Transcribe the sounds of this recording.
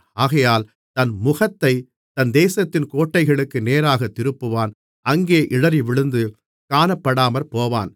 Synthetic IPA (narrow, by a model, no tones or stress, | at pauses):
aːɣɐjaːl | t̪ɐnmʊɣɐt̪ːɐɪ | t̪ɐnd̪eːsɐt̪ːɪnkoːʈːɐɪɣɐɭɯkːɯneːɾaːɣɐt̪ːɪɾɯpːɯʋaːn | ɐŋɡeːʔɪɻɐɾiʋɪɻɯnd̪ɯ | kaːnɐpːɐɽaːmɐɾpoːʋa̰ːn